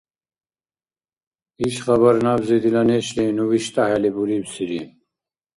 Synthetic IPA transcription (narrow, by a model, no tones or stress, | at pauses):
iʃχabaɾnabzɛd̪ilanɛʃlɛnuviʃt̪ʼaɦɛlibuɾibsiɾi